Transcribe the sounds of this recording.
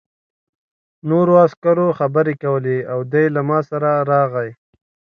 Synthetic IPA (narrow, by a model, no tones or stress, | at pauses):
noɾoaskaɾoxabəɾekawəleawd̪ajlamɑsaɾaɾɑɣaj